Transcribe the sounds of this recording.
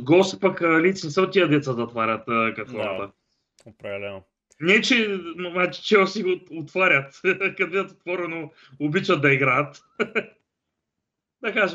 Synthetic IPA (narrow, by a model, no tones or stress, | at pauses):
ɡɔsi̥pɐkəlit̪sinɛsɛot̪ːiɐd̪ɛt̪sad̪ɐot̪vaɾʲɐt̪ːkɐfɔɾat̪ə | pɾɐlɛno | nɛt͡ʃɛnat͡ʃɛ̥t͡ʃɛɔsiot̪vaɾʲɐt̪kɐd̪biɐt̪ot̪vɔɾɛno | ʊbit͡ʃɐt̪̚d̪ɐiɡɾaət̪ | d̪ɐkaʒɛ